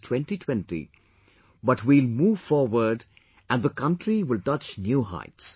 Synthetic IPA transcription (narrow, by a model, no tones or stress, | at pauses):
tʰwɛ̃nʈitʰwɛ̃ntḭ | bʌʈwilmuːʋfɔːɾwəɾɖ | æ̃nðəkʌ̃nʈɾiʋɪlʈʌt͡ʃnjuːɦa̰ɪts